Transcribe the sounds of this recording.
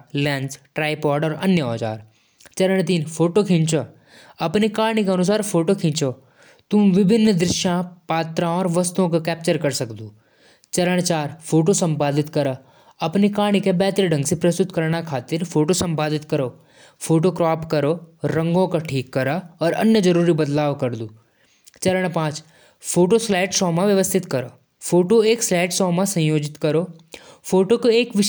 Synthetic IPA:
lɛ̃ːnsʈɾaːjpɔːɾɖɔːɾɐnjəɔ̰ːt͡ʃa̰ːɾ | t͡ʃɐɾəɳ̃t̪̬iːnfʰoːʈokʰĩɲt͡ʃoː | ɐpnikaːɽ̃ikeɐnʊs̬aːɾpʰoːʈokʰĩːnt͡ʃoː | t̪ʊmʋɪbʱɪnːd̪ɾɪʃjãpaːt̪ɾãɔːɾʋɐst̪õkakɛːp̚t͡ʃəɾkɐɾsɐkd̪uː | t͡ʃɐɾəɽ̃t͡ʃaːɾfʰoːʈ̬osɐ̃mpaːd̪ɪt̪kɐɾə | ɐpnikãːɽ̃ikebɛːt̪ɾiɖə̃ŋɡsipɾɐst̪ʊt̪kɐɾɽakʰaːt̪ɪɾfʰoːʈosɐ̃mpaːd̪ɪt̪kɐɾoː | fʰoːʈokɾɔːpkɐɾoːɐ̃ŋɡõkaʈʰiːkːɐɾaɔːɾɐ̰njəd͡ʒɐɾuːɾibɐd̪laːʋkɐɾd̪uː | t͡ʃɐɾəɽ̃pãːt͡ʃ | fʰoːʈoslaːɪʈsɔːmãʋjɐʋəst̪ʰɪt̪kɐɾoː | fʰoːʈoeːkslaːɪʈsɔːmãsɐ̃joːd͡ʒɪt̪kɐɾoː | fʰoːʈokoeːkʋɪʃ

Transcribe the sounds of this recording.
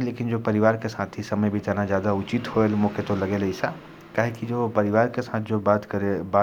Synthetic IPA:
leːkɪnd͡ʒopɐɾɪʋaːɾkesaːt̪ʰisɐməjbʱid͡ʒaːnad͡ʒjaːd̪aʊt͡ʃit̪hoelmoːkʰet̪olɐɡelɐɪsa | kaːɦekid͡ʒopɐɾɪʋaːɾkesaːt̪ʰd͡ʒoːbaːt̪kəɾeba

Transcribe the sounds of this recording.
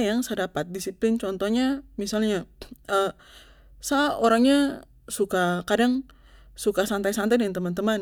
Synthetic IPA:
jaŋsədapat̪̚disiplɪnt͡ʃɔnt̪ɔhɲamisalɲaə | saʔoɾaŋɲa | sukakadaŋ | sukasant̪ajsant̪ajdəŋant̪əmant̪əman

